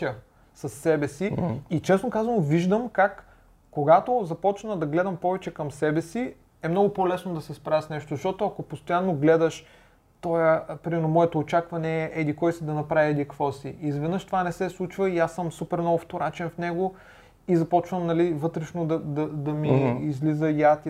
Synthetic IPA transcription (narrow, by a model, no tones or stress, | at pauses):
ə | sɐsːɛbɛsiit͡ʃɛsnokazvɐnoviʒd̪əmkakː | oɡat̪ozɐpɔt͡ʃnəd̪ɐɡlɛd̪ɐmpɔvɛt͡ʃɛkɐmsɛbɛsi | ɛmnɔɡʊpɔlɛsnod̪ɐsɛspɾavɛsnɛʃt̪ozɐʃt̪ɔt̪ʊɐkopost̪ojanːoɡlɛd̪əʃ | t̪ɔjəpɾimɛɾnomɔɛt̪oːt͡ʃakvɐnɛʔɛd̪ikɔjsid̪ɐnɐpɾaviɛd̪ikvɔsiʔizvɛd̪nɤəʃt̪ovanɛsɛslˠut͡ʃvəiasːɤmsupɛɾnɔvʊft̪oɾat͡ʃɛnfnɛɡo | izɐpɔt͡ʃvəmnɐlivɤt̪ɾɛʃnod̪ɐd̪ɐd̪ɐmiːzlizəiat̪i